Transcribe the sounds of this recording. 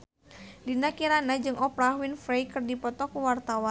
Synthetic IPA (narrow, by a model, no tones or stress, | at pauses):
dinakiɾanad͡ʒɨŋɔpɾahwinfɾejkɨrdipɔt̪ɔkuwart̪awan